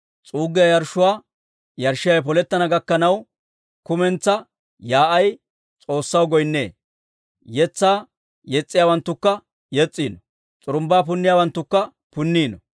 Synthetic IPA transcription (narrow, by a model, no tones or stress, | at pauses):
t͡sʼuːɡɪjɐjɐɾʃʊwaː | jɐɾʃːɪjɐjp̬ɔlɛt̪ːɐnɐɡɐkːɐnɐw | kʊmɛnt͡sːɐ | jaːʔɐj | t͡sʼo̞ːsːɐwɡɔjnːḛː | jɛt͡sːaː | jɛt͡sʼːɪjaːwɐnt̪ːʊkːɐ | jɛt͡sʼːiːnɔ | t͡sʼʊɾʊmbaːp̬ʊnːɪjaːwɐnt̪ːʊkːɐ | pʊnːiːnɔ